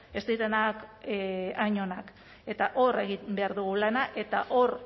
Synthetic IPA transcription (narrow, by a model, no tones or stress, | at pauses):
e̞st̪iɾenak | aɲo̞nak | e̞t̪aʔo̞re̞ɣibe̞aɾðuɣulanaʔe̞t̪aʔo̞ɾ